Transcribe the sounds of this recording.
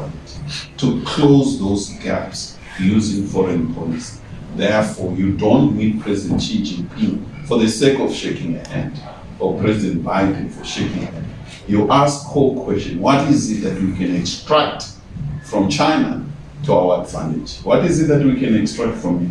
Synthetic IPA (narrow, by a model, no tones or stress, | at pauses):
ttʰukʰlozðozɡa̰ps | juzĩŋfɔɹɛ̃npʰɔlis | ðɛfɔjudõntmit̚pʰɹɛzidɛ̃ntt͡ʃʰẽnd͡ʒĩnpʰĩfɔðəsekɔvʃekĩŋɛhɛ̰̃nd | ɔpʰɹ̥ɛzidɛ̃ntbajdɛ̃nfɔʃekĩŋɛ̃nd | juʔaskʰːokʰwɛstɔ̃nwɔtizit̚ðatwikʰɛ̃nɛkstɹak̚t | fɹɔ̃mt͡ʃʰajna̰ | tʰuawadvã̰ndɛd͡ʒwɔtizit̚ðatwikʰɛ̃nɛkstɹ̥ak̚tfɹɔ̃mi